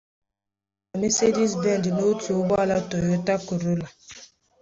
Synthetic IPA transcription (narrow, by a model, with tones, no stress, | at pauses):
a˨mi˦se˦di˦sbɛ˦ndno˦tu˨˦ba˦la˦tɔ˨jɔ˦ta˦kə˨ɾo˦la˨